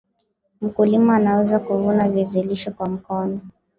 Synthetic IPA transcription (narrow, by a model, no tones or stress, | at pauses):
m̩kulimaːnawɛzakuvunaviziliʃɔkwam̩kɔnɔ